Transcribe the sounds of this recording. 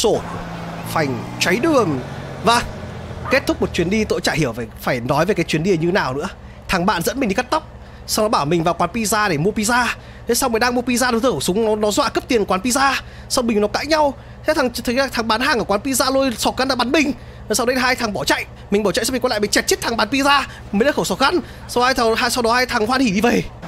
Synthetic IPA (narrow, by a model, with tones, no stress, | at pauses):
so˧˩ | fa˨˩jŋ̟t͡ɕwa˨˦jɗɨ˨˩əŋvaː˨˩ke˦˥t̚t̪ʰʊ˦˥k͡p̚mo˨˩t̚t͡ɕwi˨˦ənɗi˧t̪o̰˧˨jt͡ɕa̰ː˧˨jhi˧˩əwvfaː˧˩jnɔ˨˦jve˨˩kaː˨˦jt͡ɕwi˨˦ənɗi˧ə˨˩ɲɨ˧˨˦naː˨˩wnɨ̰˧˥ə | t̪ʰaː˨˩ŋɓa̰ː˧˨nzə̰˧˥nmi˨˩ŋ̟ɗi˧ka˦˥t̚t̪a˦˥wk͡p̚ | sa˧wnɔ˨˦ɓaː˧˩wmï˨˩ŋ̟vaː˨˩wkwaː˨˦npi˧zaː˧ɗe˧˩mu˧əpi˧zaː˧ | t̪ʰe˨˦sa˧wme˨˩ɗaː˧ŋmu˧ə˧pi˧zaː˧ɗt̪ɨː˧˩˨sʊ˨˦ŋ͡mnɔ˨˦nɔ˨˦zwa̰ː˧˨kə˦˥p̚t̪i˨˩ənkwa˨˦npi˧zaː˧ | sa˧wŋ͡mmï˨˩ŋ̟nɔ˨˦ka̰ː˧˥jɲa˧w | t̪ʰe˨˦t̪ʰa˨˩ŋt̪ʰjla˨˩t̪ʰa˨˩ŋɓaː˨˦nɦaː˨˩ŋəː˧˩kwaː˨˦npi˧zaː˧lo˧jsɔ˨˦t̚ɣa˧˦nla˧˩ɓa˨˦nmï˨˩ŋ̟ː˨˩ | saː˧wɗə˧jlaː˧jt̪ʰaː˨˩ŋɓɔ˧˩t͡ɕa̰˧˨jʔ | mï̟˨˩ɓɔ˧˩t͡ɕa̰˧˨smi˨˩kɔ˧˦l̰aː˧˨mi˨˩t͡ɕɛ˨˩t̚t͡ɕi˦˥t̚t̪ʰa˨˩ŋɓa˨˦npi˧zaː˧ | mə˨˦nɗaː˧˥˩xə˧˩wsɔ˨˩t̚ɣa˨˧˦n | sa˧whaː˧jt̪ʰɦaː˧jsa˧wɗɔ˨˦haː˧jt̪ʰa˨˩ŋhwaː˧nhi˧˩ɗi˧və˨˩˨